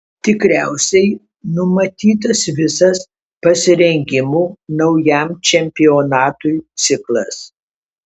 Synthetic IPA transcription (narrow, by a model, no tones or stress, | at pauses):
t̪ʲɪkɾʲæˑʊsʲɛɪ | nʊmɐt̪ʲiːt̪ɐsʋʲɪsɐs | pɐsʲɪɾʲɛŋʲɡʲɪmuːnɐʊjæˑmt͡ʃʲɛmʲpʲɪoːnɑːt̪ujt̪sʲɪklˠɐs